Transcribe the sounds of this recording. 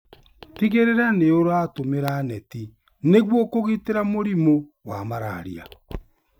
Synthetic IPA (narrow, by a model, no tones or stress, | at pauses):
tiɣeɾeɾaneoɾoatomeɾanɛti | neɣwɔkoɣeteɾamoɾimowamaɾa̰ɾia̰